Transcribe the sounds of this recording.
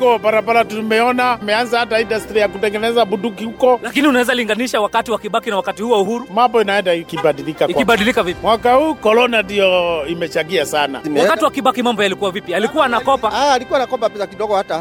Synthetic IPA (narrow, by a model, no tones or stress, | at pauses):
kɔpaɾapalatumɛɔnamɛanzahataindastɾijakutɛŋɡɛnɛzabudukihukɔlakiniunawɛzaliŋɡaniʃawakatiwakiɓakinawakatihuwauhuɾumambɔinaɛndaikibaɗilikaiiɓaɗilikavipimwakahuːkɔlɔnandijɔimɛt͡ʃaɡiasana̰wakatiwakiɓakimambɔjalikuwavipialikuwaːnakɔpaaːlikuwanakɔpapɛsakiɗɔɡɔhata